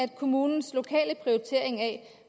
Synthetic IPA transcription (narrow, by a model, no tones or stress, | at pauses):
æd̥kʰo̝muːnn̩slo̝kʰɛ̰ːləpʰʁioit͡sʰe̝̰ɐ̰e̝ŋæ